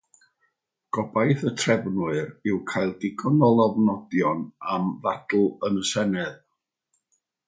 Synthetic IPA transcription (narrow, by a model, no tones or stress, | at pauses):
ɡ̥ɔbajθətʰrɛvnwɨɾɪwkʰajlˠdɪɡʰɔnɔlˠɔvnɔdjɔnamðad̥l̩ˠənəsɛnɛð